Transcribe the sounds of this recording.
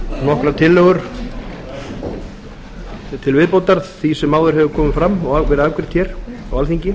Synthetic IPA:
nɔhkɾat̪ʰɪlːœːɣʏɾ̥ | t̪ʰɪlvɪðpowt̪aɾθθisɛmːaːwðʏɾɦɛvʏkʰɔːmɪfɾamːɔɣavɛːɾɪðakvɪɾ̥t̪çɛɾ̥awalθiɲcɪ

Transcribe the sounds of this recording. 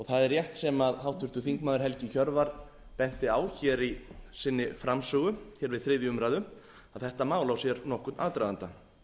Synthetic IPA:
ɔɣθaðɛɾjɛht̪sɛmaðɦawht̪ʰʏ̥t̪ʏθiŋkmaːðʏɾ̥ɦɛlcɪçœɾvaɾ̥ | pɛn̥t̪ɪaːwçɛɾisɪnːɪfɾamsœːɣʏçɛɾvɪðθɾɪːðjʏʏmɾaːjðʏ | aðθɛht̪amaːwlawsjɛɾnɔhkʏt̪naːðt̪ɾajðant̪a

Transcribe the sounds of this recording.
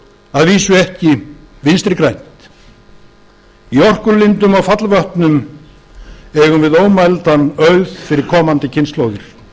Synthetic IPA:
aðviːsʏɛhcɪ | vɪnst̪ɾɪkɾajn̥t̪ | iɔr̥kʏɾlɪnt̪ʏmawfat̪lvœht̪nʏm | ɛɣʏmvɪðoːwmalt̪anœɥðfɪɾɪɾ̥kʰɔːmant̪ɪcʰɪnsloːwðɪɾ̥

